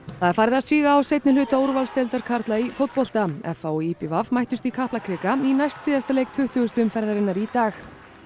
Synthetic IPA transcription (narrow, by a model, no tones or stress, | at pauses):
θaðɛɾfaɾðasiːɣaːwsejt̪nɪlʏːt̪oːwɾvalst̪ɛlt̪aɾ̥kʰaɾt̪laifowt̪̚pɔl̥t̪aɛ̰faɔipɪvavmajht̪ʏst̪ikʰahplakʰɾɪːkainajst̪siːðast̪alejk̚t̪ʰʏht̪ʏɣʏst̪ʏmfɛɾðaɾɪnːaɾit̪aːx